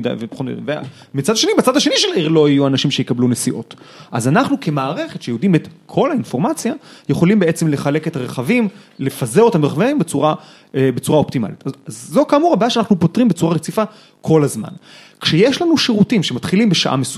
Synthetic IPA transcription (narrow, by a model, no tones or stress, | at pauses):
da̰jvepeχomida̰vḛ | mit͡sad̪ʃe̞nibat͡sad̪aʃeniʃelaiʁlo̞ijuanaʃimʃejikablunesiʔo̞tʔazanaχnukʰe̞maːʁe̞χe̞t̪ʃejudimet̪kʰo̞lainfo̞ʁmat͡sjajeχo̞limbe̞et͡semle̞χale̞ke̞taʁeχavimlefazeʁotameʁχavaimbet͡suʁa | ebet͡suʁaoptima̰litazazːo̞kamuʁabajaʃeanaχnupo̞tʁimbet͡suʁaʁet͡sifa | kʰo̞lazma̰nkʃejeʃlanuʃiʁutimʃemat̪χilimbeʃa̰ʔa̰mes